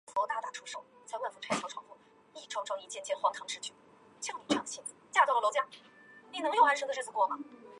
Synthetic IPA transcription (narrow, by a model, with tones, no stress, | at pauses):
ft̪a˥˧˩t̪a˥˩ʈ͡ʂʰu˧˥ʂo˥˩ʊt͡sa˥˧ɪwa˥˩nfu˧˥˩ʈ͡ʂʰa˧˥ɪtʰɔ˥ʈ͡ʂʰwɑ˥ŋfu˥˩ | i˥˩ʈ͡ʂʰo˥ʊʈ͡ʂʰʊ˥ŋi˥˩t͡ɕjɛ˥˩nt͡ɕɛ˥nxwɑ˥˩ŋkʰɑ˧˥ŋʈ͡ʂɻ̩˥t͡ɕʰy˥˩ | t͡ɕʰjɑ˥˧ŋni˧˥ʈ͡ʂʰjɑ˥˩ŋ˨ɕjɛ˥˩nt͡s̩˨˩t͡ɕja˥˧˩t͡swɔ˧˩˥lo˧ʊt͡ɕja˥˩ | ni˧˥nɤ˧˥ŋjo˥˧ʊa˧˥nʂɤ˧˥d̪ə˧ʂ̩ə˥˩t͡s̩˥˧kwɔ˥˩mɐ˨˩